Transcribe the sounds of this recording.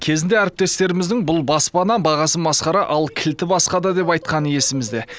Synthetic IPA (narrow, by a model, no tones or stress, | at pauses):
kʲʰe̞zɪnd̪e̞æɾɪp̚t̪e̞st̪e̞ɾɪmɪzd̪ɪŋbʊlˠbɑspɑnɑbɑʁɑsənbɑsqɑɾɑʔɑlˠkʲʰɪlt̪ɪbɑsqɑd̪ɑd̪e̞pɑjt̪̚qɑnəje̞sɪmɪzd̪e